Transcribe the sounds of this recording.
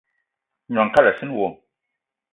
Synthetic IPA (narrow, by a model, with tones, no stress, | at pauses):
ɲ˨a˨ŋka˦la˨si˦n˦wo˨